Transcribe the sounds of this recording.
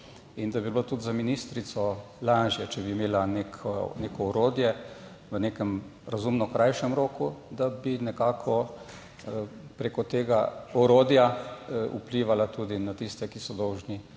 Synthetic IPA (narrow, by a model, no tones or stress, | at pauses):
ind̪abiblot̪ut̪zaminist̪ɾit̪sɔ | laːʒjɛt͡ʃɛbiːmeːlaneːkʰɔneːkɔɔɾoːd̪jɛ | ʋəneːkɛmɾazumnɔkɾajʃɛmɾoːkud̪abinɛkaːkʰɔ | pɾekɔt̪eːɡaɔɾoːd̪jaṵpliʋalat̪uːd̪inat̪ist̪ɛkisɔd̪ɔwʒni